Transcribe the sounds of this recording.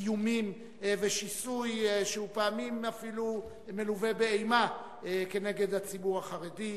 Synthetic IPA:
jumim | veʃisujʃehupeamimafilu | me̞luve̞beejma | ke̞ne̞ɡe̞dhat͡sibuʁaχaʁedi

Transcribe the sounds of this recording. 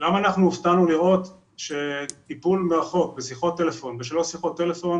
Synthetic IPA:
lamaːnaχnuːft̪anuliʁo̞t̪ | ʃe̞t̪ipulmeʁaχo̞k̚besiχo̞t̪ːe̞lefo̞nveʃelosiχo̞t̪ːe̞le̞fo̞n

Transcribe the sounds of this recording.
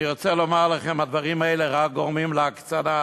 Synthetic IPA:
iʁot͡selomaʁlaχemad̪vaʁimaeleʁak̚ɡoʁmimleakt͡sana

